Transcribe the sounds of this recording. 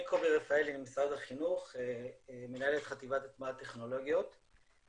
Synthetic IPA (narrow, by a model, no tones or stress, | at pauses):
ikʰobeʁefaelinmisʁadaχinuχemenae̞let̪χat̪ivatat̪maat̪e̞χno̞lo̞ɡjo̞t̪